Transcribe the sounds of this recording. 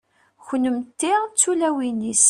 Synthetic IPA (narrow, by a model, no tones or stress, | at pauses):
çnəmt̪ːiʁt͡sːulæwinis